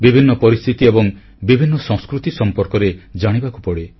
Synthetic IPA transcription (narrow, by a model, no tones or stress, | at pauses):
bibʱinːɔpɔɾist̪ʰit̪iebɔŋ | bibʱinːɔsɔ̃ŋ̃skɾut̪isɔmpɔɾkɔɾed͡ʒaɽ̃ibaku̥pɔɽe